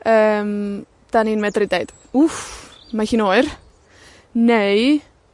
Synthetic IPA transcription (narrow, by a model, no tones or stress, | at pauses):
əːm | d̥aniːnmɛdrɪdejd̥ | ufmaxiːnoːɨr | nej